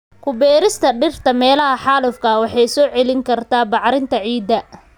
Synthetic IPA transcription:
kʰʊbɛːɾɪst̪ʰɐɖɪrt̪ʰɐmɛːlɐɦɐħɑːlʊfkʰɐwɑħɑjsɔːʕɛlɪŋkʰɐrt̪ʰaːbɑʕɾɪnt̪ʰɐʕiːd̪ɐ

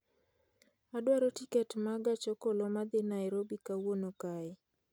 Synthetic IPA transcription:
adwaɾotikɛtmaɡat͡ʃɔkɔlɔmad̪ɪnajɾobikawonokaɪ

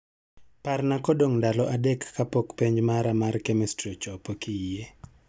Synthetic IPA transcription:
parnakɔdoŋndalɔʔadekːapokpeɲd͡ʒmaɾamarkɛmɛstrɔt͡ʃɔpokɪje

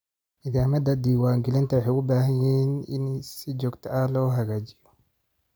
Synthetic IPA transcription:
ʔɪðaːmɐd̪ɐd̪iːwaːŋɡɪlɪnt̪ʰɐwħejʊbaːɦɐjɪːnɪ̰nsɪd͡ʒɔːɡt̪ʰɐʔɐlɔːɦɐɣaːt͡ʃɪjɔ

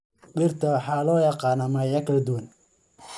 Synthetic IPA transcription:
ɗɪrt̪ʰɐwɑħɑːlɔːjɑqɑːnamɐjɐkʰɐlɛd̪ʊwɐn

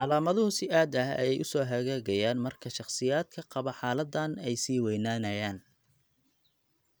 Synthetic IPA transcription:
ʕɑlaːmɐðɐhʊsɪʔaːd̪ɐhɐ̰jɛjʔʊsɔːɦɐɣaːɣɐjaːnmɐrkʰɐʃɑχsɪjaːd̪kʰɐqɑβɐħɑːlɐd̪ɐnɛjsiːwɛjnaːnɐjaːn

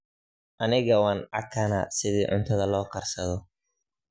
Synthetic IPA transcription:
ʔɐnɪɣɐwɑːnʕɑkʰɐnɐsɪðiːʕʊ̰nt̪ʰɐðɐlɔːkʰɐrsɐðɔ

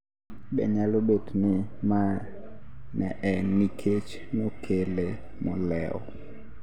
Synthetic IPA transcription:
bɛ̰ɲalobotnɪma | nɛʔɛnikʰet͡ʃ | mɔkʰele | mɔlɛɔ̰

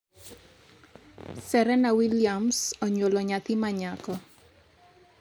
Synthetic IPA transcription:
sɛɾɛnawiliamsɔɲwolɔɲat̪imaɲakɔ

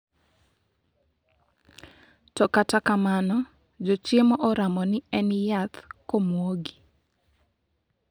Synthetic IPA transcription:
tɔkatakamanɔ | d͡ʒɔt͡ʃemɔʔɔɾamɔnɪɛnjat̪komwoɡi̥

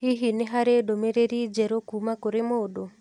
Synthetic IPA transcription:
iɦineɦaɾedomeɾeɾid͡ʒɛɾokumakoɾemodo

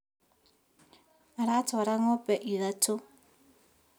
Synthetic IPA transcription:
aɾatʰɔaɾaŋɔpʼɛʔiðatʰo

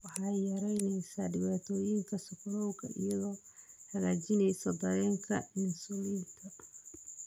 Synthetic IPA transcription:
wɑħɑjɐɾɛjnɛjsaːɖɪβaːt̪ʰɔːjɪŋkʰɐsɔpʰlɔwɣɐ̰ʔɪ̰jɐðɔː | hɐɣaːt͡ʃɪnɛjsɔd̪ɐɾɛːŋkʰɐ̰mɪsuːlint̪ʰɐ

